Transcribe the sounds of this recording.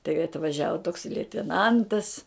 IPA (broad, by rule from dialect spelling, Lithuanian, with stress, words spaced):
tɐɪ ɐtʋɐˈʒʲæːʋoː toːks lʲɛɪtʲɛˈnɐntɐs